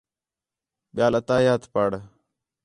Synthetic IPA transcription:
ɓɪjaːlət̪aːjaːt̪paɽ

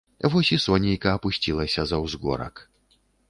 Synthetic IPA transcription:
vɔsʲisɔnʲejkɐːpusʲt͡sʲilˠɐsʲɐzɐwzɣɔ̰ɾɐ̰k

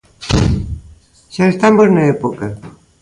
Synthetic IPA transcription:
ʃaest̪amoznɐɛpokɐ

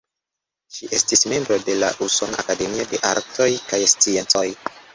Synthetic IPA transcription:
ʃiʔe̞stisme̞mbɾo̞de̞la̰ʔuso̞naa̰kade̞miode̞ʔa̰ɾtʰo̞jkajst͡sie̞nt͡so̞j

